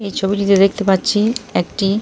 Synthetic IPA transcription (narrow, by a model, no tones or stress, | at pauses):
ejt͡ɕʰobiʈit̪ed̪ekʰt̪epatːɕʰiɛk̚ʈi